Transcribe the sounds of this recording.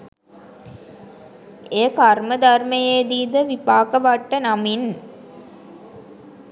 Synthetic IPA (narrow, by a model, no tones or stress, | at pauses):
ekaɾməd̪ɐrmɐjeːd̪iːd̪əʋipaːkəʋɐʈːənamin